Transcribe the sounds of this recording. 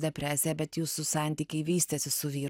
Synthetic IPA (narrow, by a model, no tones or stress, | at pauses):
d̪ʲɛpʲɾʲæːsʲɪjɛbʲɛt̪juːssʊsɑˑnʲt̪ʲiːkʲɛɪʋʲiːsʲt̪ʲɛsʲɪsʊʋʲiː